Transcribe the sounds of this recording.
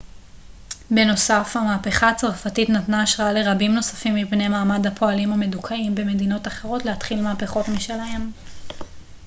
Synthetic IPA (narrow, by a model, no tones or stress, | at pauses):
be̞no̞safhamaːpe̞χaːt͡saʁfatitnatnaːʃʁaale̞ʁabimno̞sḁfimːipne̞jmaːmadhapʰo̞alimome̞dukʰaimbe̞me̞dino̞taχe̞ʁo̞tleatχilmaːpeχo̞tmiʃelaem